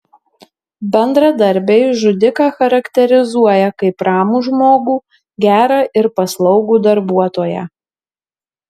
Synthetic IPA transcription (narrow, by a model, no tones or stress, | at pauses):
bʲɛnd̪ɾɐd̪ɐɾʲbʲeɪʒʊd̪ʲɪkɑːxɐɾɐkt̪ʲɛɾʲɪzuɔjɛkɐɪpɾɑːmuːʒmoːɡuː | ɡʲæːɾɑːʔɪɾpɐslˠɒʊɡuːd̪ɐɾbuɔt̪oːjɛ̰